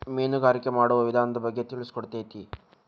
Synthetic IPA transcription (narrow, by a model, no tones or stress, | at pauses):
meːnuɡaːɾikːemaːɽuʋɐʋid̪ʱaːnɐd̪ɐbʱɐɡːet̪iɭisu̥koɽut̪ːejt̪i